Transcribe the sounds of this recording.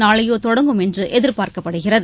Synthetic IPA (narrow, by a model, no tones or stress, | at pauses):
naːɭɐjoːt̪ɔɽɐŋɡɯmɛndrɯʔɛðɪɾpaːɾkɐpːɐɽɯɣɪrɐð